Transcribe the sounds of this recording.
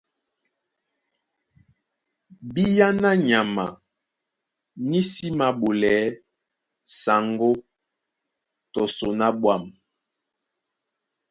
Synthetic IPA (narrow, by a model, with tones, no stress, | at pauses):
bi˦ja˦na˦ɲa˨ma̰˨ | ni˦si˦ma˨ɓo˨lɛ˨˦ | sa˨ŋɡo˦ | tɔ˨so˨na˦ɓwa˦˨m